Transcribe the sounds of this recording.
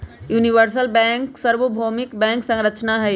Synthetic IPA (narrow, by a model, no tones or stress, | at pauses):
juːniʋəɾs̬əlbɛ̃ːŋksəɾʋəbʱoːmɪkbɛ̃ːŋksə̃ŋɾət͡ʃnaɦɛ